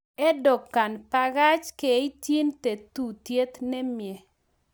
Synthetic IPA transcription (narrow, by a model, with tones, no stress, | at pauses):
ɛ˦dɔ˨kːa˨npa˦˧ɡa˦t͡ʃke˨i˦tji˦nt̪e˨t̪u˦˨tje˦t̪nɛ˦mjɛ˨